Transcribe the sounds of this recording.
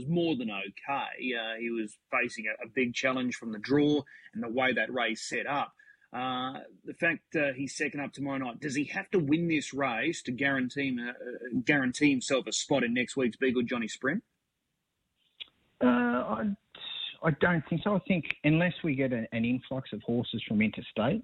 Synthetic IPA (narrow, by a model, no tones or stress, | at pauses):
zmɔɹðɨ̃noʊkʰeɪʌiwʌz̥feɪsɪ̃ŋɨʔɨbɪɡ̚t͡ʃʰælˠə̃nʒ̥fɹʌ̃mðɨdɹɔɨ̃nðəweɪðɨʔ̚ɹeɪz̥sɛɾʌp̚ | ʔʌðɨfæk̚ʌiz̥sɛkɨ̃ndʌp̚tʰəmɔɹʊnaɪt̚d̥ʌz̥ihæftəwɪ̃nðɪsɹeɪz̥tʰɨɡæɹɨ̃ntʰĩ | ɡæɹɨ̃ntʰihɨ̃msɛlˠfɨspɑɾɨ̃nːɛkst̚wiksb̥iɡʊd͡ʒɑɾ̃ispɹɪ̃n | ʌaɪ | aɪdõʊ̃nθɪ̃ŋksoʊaɪθɪ̃ŋkɨ̃nlɛswiɡɛɾɨɨ̃nɪ̃ɱflʌksʌv̥hɔɹsɨz̥fɹʌ̃mɪ̃ntʰɨsteɪt̚